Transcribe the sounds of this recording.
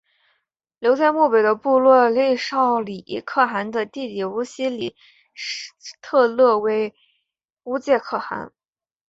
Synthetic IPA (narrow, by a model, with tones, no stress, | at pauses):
ljo˧˥ʊt͡ɕɛ˥˧mu˥˩pe˨˩ɪd̪ə˦pu˥˧lwɔ˥˧le˥˧ɪʂɑ˥˩ʊli˨˩˥kʰɤ˥˩xa˧˥nd̪ə˧t̪i˥˩t̪i˨˩u˧˥ɕi˥li˨˩ | ʂt̪ʰɤ˥˧lɤ˥˩we˧˥ɪ | u˥t͡ɕjɛ˥˧kʰɤ˥˩xa̰˧˥n